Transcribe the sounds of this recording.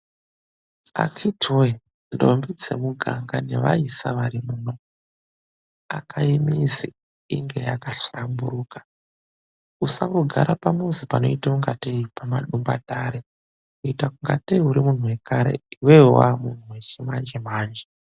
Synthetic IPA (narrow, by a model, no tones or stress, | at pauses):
a̰kʰitʰoi | ndo̰mbid͡ze̞̰muɡʱa̰ŋɡane̞ʋa̰isa̰ʋaɾimuːno | a̰kʰaimizi | ḭŋɡe̞jakaɬambuɾuːkḁ | usakuɡʱa̰ɾapamuzipano̞̰itauŋɡateipamaɗumba̰taɾe | kuitakuŋɡa̰teiuɾimun̤uwe̞kaɾe̞̰iwewa̰mun̤uwe̞t͡ʃimand͡ʒemaːnd͡ʒe